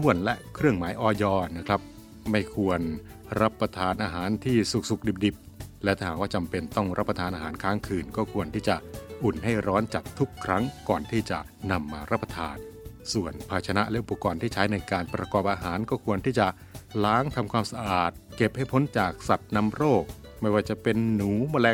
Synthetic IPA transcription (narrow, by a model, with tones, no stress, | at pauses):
t̪ʰu˥˩ənlɛ˦˥ʔkʰɾɯ˥˩əŋmaː˩˦jʔɔː˧jɔː˧na˦˥kʰɾa˦˥p̚ | ma˥˩jkʰu˧ən | ɾa˦˥pːa˧t̪ʰaː˧nʔaː˧ɦaː˩˦nt̪ʰiː˥˩su˨˩k̚su˨˩k̚di˨˩p̚di˨˩p̚lɛ˦˥wt̪ʰaː˥˩aː˨˩k̚waː˥˩t͡ɕa˧mpe˧nt̪ɔ˥˩ŋɾa˦˥pːɾa˧t̪ʰaː˧nʔaː˧ɦaː˩˦nkʰaː˦˥ŋkʰɯː˨˩nkɔː˥˩kʰu˧ənt̪ʰiː˥˩t͡ɕa˨˩ʔu˨˩nha˥˩jɾɔː˦˥nt͡ɕa˨˩t̪ʰːu˦˥kʰːɾa˦˥ŋkɔː˨˩nt̪ʰiː˥˩t͡ɕa̰˨˩ʔna˧mːaː˧ɾa˦˥pːa˧t̪ʰaː˧nsu˨˩ənpʰaː˧t͡ɕʰa˧na˦˥ʔlɛ˦˥ʔu˨˩pːa˧kɔː˧nt̪ʰiː˥˩t͡ɕʰa˦˥jna˧jkaː˧npɾa˧kɔː˨˩p̚ʔaː˧ɦaː˩˦nkɔː˥˩kʰu˧ənt̪ʰiː˥˩t͡ɕa˨˩ʔ | laː˦˥ŋt̪ʰa˧mkʰwaː˧msa˧ʔaː˨˩t̪̚ke˨˩p̚ha˥˩jpʰo˦˥nt͡ɕaː˨˩k̚sa˨˩t̪̚na˧˥mɾoː˥˩k̚ | ma˥˩jwaː˥˩t͡ɕa˨˩pe˧nːuː˨˩˦maː˧˩lɛː˧˥